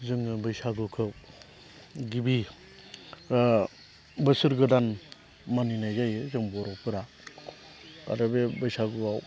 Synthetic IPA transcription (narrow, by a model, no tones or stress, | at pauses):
zɯŋɯbɯjsaɡɯkʰɯw | ɡibi | bɯsɯɾɡɯdan | maninajzajzɯŋbɔɾɔpʰɯɾa | a̰ɾɯbebɯjsaɡɯaw